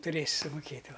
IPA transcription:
tʊˈrʲeːsʲɪ sʊmʊˈkʲeːtʲ ˈʋɐ

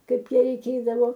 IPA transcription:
ˈkɐɪp ˈjɛ rʲɛɪˈkʲeːdɐʋoː

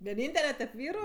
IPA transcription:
ʋʲiɛˈnʲiːnʲtʲɛlʲɛ tʲɛp ˈʋʲiːrʊ

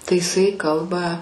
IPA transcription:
tɐɪ ɪˈsɐɪ ˈkɐlˠbɐ

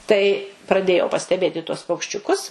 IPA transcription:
tɐɪ prɐˈdʲeːjɛʊ pɐsʲtʲɛˈbʲeːt ɪ tuɔs pɐʊkʃʲt͡ʃʲʊˈkʊs

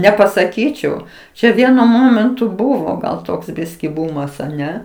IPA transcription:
nʲɛpɐsɐˈkʲiːt͡ʃʲɛʊ ˈt͡ʃʲɛ ˈʋʲiɛnʊ ˈmoːmʲɛntʊ ˈbʊʋoː ɡɐlˠ ˈtoːɡzʲˈbʲɪsʲkʲiː ˈbʊmɐs ɐˈnʲɛ

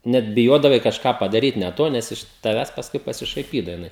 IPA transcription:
ˈnʲɛt bʲɪˈjoːdɐʋɐɪ kɐʃˈkɑː pɐdɐˈrʲiːt nʲɛ ˈtoː ˈnʲɛs ɪʃ tɐˈʋʲæːs pɐsˈkʊɪ pɐsʲɪʃɐɪˈpʲiːdɐʋɐ jɪˈnɐɪ

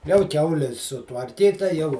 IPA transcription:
jɛʊ ˈkʲɛʊlʲɪ sʊtʋɐrʲˈkʲiːtɐ jɛʊ

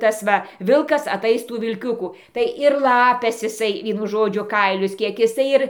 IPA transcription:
ˈtɑːsˈʋɐ ˈʋʲɪlˠkɐs ɐˈtɐɪs ˈtuː ʋʲɪlʲˈkʲʊkʊ tɐɪ ɪr ˈlˠɑːpʲɛs ɪˈsɐɪ ˈʋʲiɛnʊ ˈʒoːd͡ʒʲʊ ˈkɐɪlʲʊs ˈkʲiɛk ɪˈsɐɪ ɪr

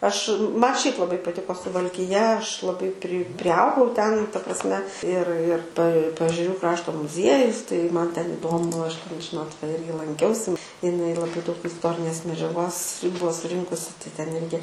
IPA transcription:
ˈɐʃ ˈmɐ ˈʃʲɛɪp lˠɐˈbɐɪ pɐˈtʲɪkoː sʊʋɐlʲkʲɪˈjɛ ˈɐʃ lˠɐˈbɐɪ pʲrʲɪ pʲrʲɪˈɐʊɡɐʊ tʲɛn tɐ prɐsʲˈmʲɛ ɪr ɪr pɐ pɐɛʒʲɛˈrʲuː ˈkrɑːʃtoː mʊzʲˈiɛjʊs tɐɪ ˈmɐn tʲɛn ɪˈdoːmʊ ɐʃ tʲɛn ˈʒʲɪnoːt ʋɐ ˈɪrʲɡʲɪ lˠɐŋʲˈkʲɛʊsʲɪ ɪˈnɐɪ lˠɐˈbɐɪ dɐʊk ɪsˈtoːrʲɪnʲeːs mʲɛd͡ʒʲɛˈɡoːs ˈbuɔ sʊˈrʲɪŋkʊsʲɪ tɐɪ ˈtʲɛn ˈɪrʲɡʲɪ

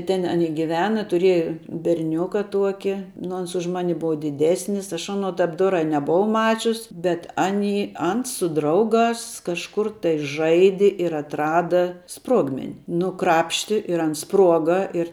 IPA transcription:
tʲɛn ɐˈnʲɪ ɡʲɪˈʋʲæːnɐ tʊˈrʲiɛjɛ bʲɛrʲˈnʲʊkɐ ˈtuɔkʲɪ nʊ ˈɐns ʊʃ ˈmɑːnʲɪ ˈbʊʋɐ dʲɪˈdʲæːsʲnʲɪs ˈɐʃ ˈɑːnoː ˈtɐp ˈdoːrɑː ɪ nʲɛboːˈʋɐʊ ˈmɑːt͡ʃʲʊs bʲɛt ˈɑːnʲiː ˈɐns sʊ ˈdrɐʊˌɡɑːs kɐʃˈkʊr tɐɪ ˈʒɐɪdʲɪ ɪr ɐtˈrɑːdɐ ˈspruɔɡmʲɛnʲɪ ˈnʊ ˈkrɑːpʲʃʲtʲɪ ɪr ˈɐns ˈspruɔɡɐ ɪr

